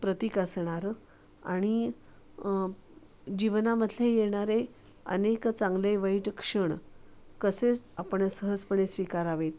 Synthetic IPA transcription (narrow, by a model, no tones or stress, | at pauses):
pɾət̪ikəsɳ̃aɾ | a̰ɽ̃i | d͡ʑiʋnaməd̪ʱlejeɳ̃aɾe | ə̰nekt͡sãŋɡleʋəiʈkʂəɳkəset͡sapəɳsəɦəspəɳesʋikaɾaʋet̪